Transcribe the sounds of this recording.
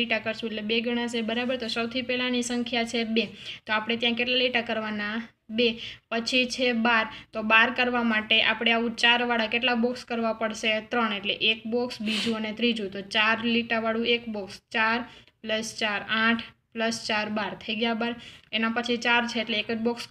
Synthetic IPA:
liʈakəɾʃũeʈlebeɡʱəɽ̃ãsebəɾabəɾt̪osəwt̪ʰipɛlanisəŋkʰjat͡ʃʰebet̪oapɽ̃et̪jãkeʈlaliʈakəɾʋana | bepət͡ʃʰit͡ʃʰebaɾt̪obaɾkəɾʋamaʈeʔapɽ̃eaʋũt͡ʃaɾʋaɽakeʈlabɔkskəɾʋapəɽʃet̪ɾəɳeʈleʔek̚bɔksbid͡ʒũənet̪ɾid͡ʒũt̪ot͡ʃaɾliʈaʋaɽũekbɔkst͡ʃaɾpləst͡ʃaɾãʈʰpləst͡ʃaɾbaɾt̪ʰəiɡjabaɾenapət͡ʃʰit͡ʃaɾt͡ʃʰeːʈleːkəd͡ʒbɔks

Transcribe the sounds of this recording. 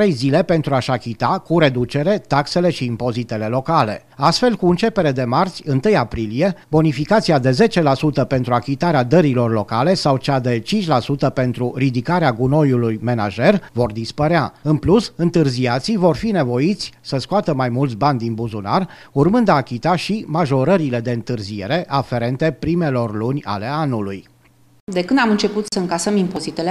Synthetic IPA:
ɾejzile̞pe̞nt̪ɾuaʃakʲit̪akuɾe̞d̪ut͡ʃe̞ɾe̞t̪akse̞le̞ʃiːmpo̞zit̪e̞le̞lo̞kale̞̰ | ast̪fe̞lkuɨnt͡ʃe̞pe̞ɾe̞d̪e̞mart̪sʲɨnt̪ɨjapɾilie̞bonifikat̪siad̪e̞ze̞t͡ʃe̞lasut̪əpe̞nt̪ɾuakʲit̪aɾead̪əɾilo̞rlo̞kale̞sawt͡ʃad̪e̞t͡ʃint͡ʃʲlasut̪əpe̞nt̪ɾurid̪ikaɾeaɡuno̞julujme̞na̰ʒe̞rvo̞rd̪ispəɾeaɨnplusɨnt̪ɨrziat̪sivo̞rfine̞vo̞it̪sʲsəskoat̪əmajmult̪sʲbanʲd̪inbuzuna̰r | urmɨnd̪aːkʲit̪aʃimaʒo̞ɾəɾile̞d̪e̞ɨnt̪ɨrzie̞ɾe̞ʔafe̞ɾe̞nt̪e̞pɾime̞lo̞rlunʲa̰le̞anuluj | d̪ekɨnd̪amɨnt͡ʃe̞put̪səɨŋkasəmimpo̞zit̪ele

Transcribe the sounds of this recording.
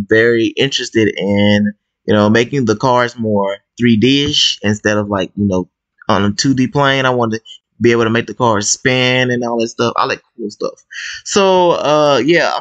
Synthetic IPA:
vɛɹiʔɪ̃nt͡ʃɹ̥ɨstɪɾɪ̃n | jɨnoʊmeɪkɪ̃ŋðəkʰɑɹzmɔɹθɹidɪʃɨ̃nstɛɾʌvlaɪk̚jɨnoʊ | ə̃nətʰʉdipʰl̥ẽɪ̃ñaɪwɑnɨ | bieɪbl̩ˠtʰəmeɪk̚ðɨkʰɑɹz̥spæ̃nɨ̃nɔlˠðɨtstʌfa̰ɪlaɪkʰulˠstʌ̰fsoʊʊʌjæ

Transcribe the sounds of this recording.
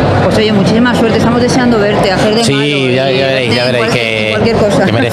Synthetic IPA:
pwe̞so̞ʝe̞mut͡ʃisimaswe̞ɾt̪est̪amozðe̞seand̪oβe̞ɾt̪e̞aθeɾðesi | a | aβeɾejaeɾe | kwalkje̞ɾko̞saemeɾe

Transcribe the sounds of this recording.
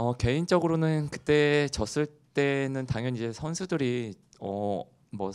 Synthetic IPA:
ʌke̞int͡ɕ͈ʌɡɯɾonɯnkɯt͈e̞t͡ɕʌs͈ɯɭt͈e̞nɯntaŋɦjʌnid͡ʑe̞sʰʌnsʰudɯɾi | ʌ̰ | mʌ

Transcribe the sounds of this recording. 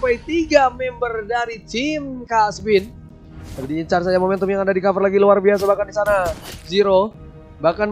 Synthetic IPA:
pajt̪iɡamɛmbərdaɾit͡ʃinkasəbɪn | t̪apidiːɲt͡ʃars̬ad͡ʒamomɛnt̪umjaŋadadikafərlaɡiluarbias̬abahkandisanaziɾo | bakan

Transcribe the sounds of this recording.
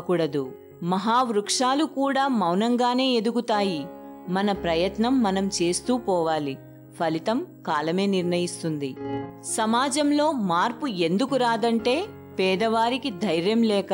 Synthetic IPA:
kuːɽɐd̪u | mɐɦaːʋɾukʂaːlukuːɽaːmɐwnɐŋɡaːne̞ːed̪uɡut̪aːjimɐnɐpɾɐjɐt̪nɐmːɐnɐmt͡ʃe̞ːst̪uːpɔːʋaːli | pʰɐlit̪ɐmkaːlɐme̞ːniɾɳɐjist̪und̪isɐmaːd͡ʒɐmlo̞ːmaːɾpue̞nd̪ukuɾaːd̪ɐɳʈe̞ː | pɛːd̪ɐʋaːɾikid̪ʱɐjɾjɐmlɛːk

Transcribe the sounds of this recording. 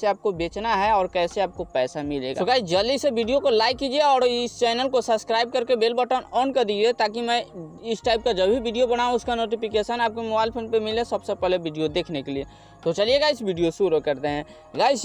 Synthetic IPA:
seaːp̚kobeːt͡ʃnaɦɛɔːɾkɛːseaːp̚kopɛːsamɪlḛːɡaɡaːid͡ʒɐld̪isebiɖijokolaːɪkːiːd͡ʒieɔːɾɪst͡ʃɛːnəlkosɐbskɾaːɪb̚kəɾkebeːlbəʈənɔːnkəɾd̪id͡ʒiet̪aːk̬imɛ̃ | ɪsʈaːɪp̚kad͡ʒɐbʱibiːɖijobɐɽ̃aːũʊskanoːʈipɪkeːʃənaːp̚kemobaːɪlpʰoːnpemɪlẽsɐbsepɛɦlebiɖijod̪eːkʰnekelie | t̪ot͡ʃɐlieɡaːɪsbiɖijosuɾəkɐɾt̪eɦɛ̃ | ɡaːɪs

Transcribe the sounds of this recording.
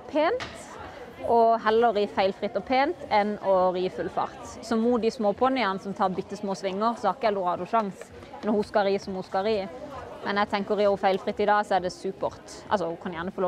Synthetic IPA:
pʰeːnt̪ | ʔɔɦɛlːəɾiːfæɪlfʁɪt̪ːɔpʰeːnt̪ɛnɔɾiːfʉlfɑ̰ʁt̪sɔmuːt̪̚d̪ɪsmoːpʰɔnɪɑnsɔmt̪ʰɑːʁbʏt̪ːəsmoːsʋɪŋːəʁsɔhɑʁɪkəɛlʊɾɑːd̪ʊʃɑŋs | nɔɾhuskɑɾiːsɔmhʊskɑɾiːmɛnɛɡt̪ʰɛŋkəɾiːʊfæɪlfʁɪt̪ːɪd̪ɑːsɔɛd̪ɛsʉːpəʁt̪ | ʔɑ̰lsɔkʰɑnjæːʁnəfɔlo

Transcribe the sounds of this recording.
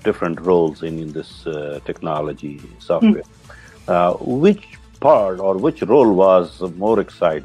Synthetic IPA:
ɖ̥ɪfɾə̃ɳʈɾoːlzɪ̃nɪ̃nd̪ɪsʈʰɛknɑːləd͡ʒisɔːfʈḛː | wɪt͡ʃ | pʰaːɾʈɔːɾʋɪt͡ʃɾoːlʋɑːzmoːɾɛksaɪʈ

